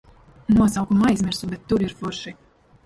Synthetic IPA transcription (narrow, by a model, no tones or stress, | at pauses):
nuɔsawkumajzmʲiɾsubɛt̪ːuɾiɾfuɾʃi